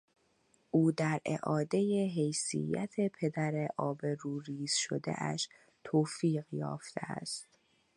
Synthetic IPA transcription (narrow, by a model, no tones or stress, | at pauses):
ʔuːd̪æɾḛʔɒːd̪e̞je̞ɦe̞jsḭjːæt̪ʰe̞pʰe̞d̪æɾeʔɒːbe̞ɾuːɾiːz̥ʃo̰d̪ḛʔæ̰ʃ | t̪ʰoːfiːɢjɒ̰ːft̪ʰḛæ̰st̪